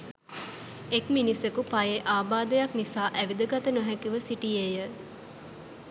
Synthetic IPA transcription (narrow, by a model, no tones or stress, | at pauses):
ekminisekupajeʔaːbaːd̪əjaknisaːʔæʋid̪əɡat̪ənoɦɛkiʋəsiʈijejə